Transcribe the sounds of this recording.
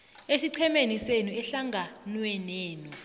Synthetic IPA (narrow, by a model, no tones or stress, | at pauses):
esiǀʰɛmenisenuɛɬaŋɡʱanwɛneːnu